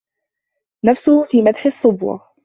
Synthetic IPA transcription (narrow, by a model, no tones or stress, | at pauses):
nafsʊhfiːmad̪ħɪsˤːʊbwɑ̰